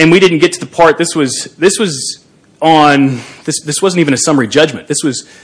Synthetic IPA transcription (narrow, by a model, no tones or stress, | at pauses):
ɨ̃nwiɾɪdⁿn̩ɡ̥ɛtʰɨðəpʰɑɹt̪̚ðɪswʌzðɪswʌz | n̩ðɪsðɪswʌzn̩tivɨ̃ñɨsʌmə˞id͡ʒʌd͡ʒmɨ̃nðɪswʌz̥